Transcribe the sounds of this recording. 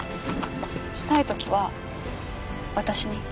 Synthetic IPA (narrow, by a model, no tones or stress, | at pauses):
ɕi̥t̪ait̪o̞kʲiβa | βat̪aɕiɲ̟i